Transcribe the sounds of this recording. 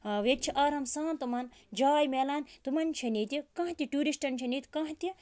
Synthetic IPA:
ʋet͡ʃʰiʔɐːɾɐmsaːnt̪umɐn | d͡ʒaːjmeːlaːnt̪umɐnt͡ʃʰɐnit̪ikɐ̃ɦt̪ʲiʈuːɾisʈɐnʲt͡ʃʰinit̪ʲkɐ̃ɦt̪i

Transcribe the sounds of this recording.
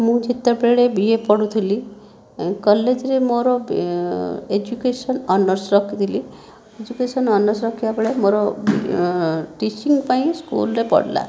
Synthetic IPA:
mũd͡ʒit̪ːɔpɾeɭebiepɔɽut̪ʰili | kɔlːed͡ʒɾemoɾɔb | ed͡ʒukesɔnɔnɔɾsɾɔkʰit̪ʰili | ed͡ʒukesɔnɔnɔɾsɾɔkʰibabeɭemoɾɔb | ʈit͡ʃiŋɡpaĩskṵlɾepɔ̰ɽla̰

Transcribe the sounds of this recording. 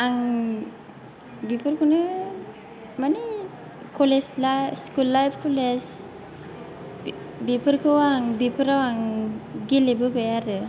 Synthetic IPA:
aŋ | bipɯɾkunɯ | mani | kʰɔleslaskulːajpʰkoles | bipɯɾkʰɯwaŋbipɯɾawaŋɡilebɯbejaɾɯ

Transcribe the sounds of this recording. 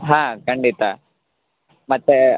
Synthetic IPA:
ɦãːkɐɳɖit̪a | mɐt̪ːe

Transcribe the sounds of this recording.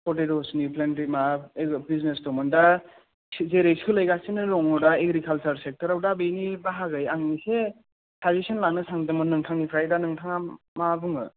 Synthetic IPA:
pʰɔtedɔsniplenɾimaebiznesdɔmɯnda | zeɾejskʰɯlajɡasinɯɾɔŋɔdaeɡɾikʰalt͡ʃɐɾsek̚tʰɐɾawdabejnibaɦaɡɯjaŋnise | tʰazisinlanɯsaŋdɔmɯnːɯŋtʰaŋnipʰɾajdanɯŋtʰaŋa | mabuŋɯ̰

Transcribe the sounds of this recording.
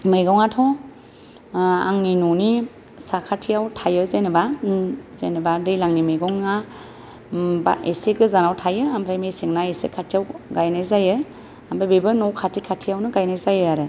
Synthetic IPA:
mɯjɡɔwŋatʰɔ | a̰ŋninuni | sakʰatʰijawtʰajɯzenɯbazḛnɯbaɾijlaŋnimɯjɡɔŋːa | ba̰eseɡɯzanawtʰajɯambʰɾajmesiŋnaesḛkʰatʰijawɡajnajzajɯ | ambajbebɯnɔwkʰatʰikʰatʰijawnɯɡajnajzajɯaɾɯ

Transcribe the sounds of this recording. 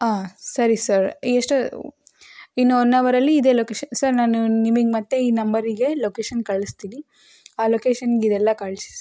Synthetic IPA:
aːsɐɾisɐɾeʂʈ | inːuɔnːɐʋɐɾɐlːiːd̪e̞ːlokeːʃɐnsɐɾnaːnunimɐɡemɐt̪ːeiːnɐmbɐɾiɡe̞loːkeːʃɐnkɐɭist̪iːni | aːloːkeːʃɐnɡid̪ɛlːɐkɐɭsi̥s

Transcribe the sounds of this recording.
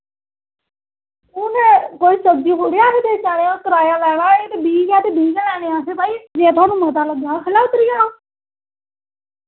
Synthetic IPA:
ʊnkoːiːsəb̚d͡ʒiːɦoːɾejaːset̪eːt͡ʃaːɽeːãk̪əɾaːjaːlɛːɽ̃aːeːt̪eːbiːɡaːt̪eːbiːɡaːlɛːɽ̃eːãːseːpaːiːd͡ʒeːt̪ʰʊaːnũːmət̪aːləɡaːkʰəlaːʊt̪ɾɪjaːaː

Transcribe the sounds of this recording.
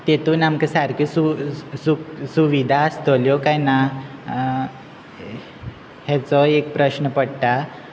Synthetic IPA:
t̪et̪uːnamkəsaɾkisusuksuʋid̪ʱaəst̪ɔljɔkajna | hɛt͡sɔek̚pɾəɕnəpəɽʈ̪a

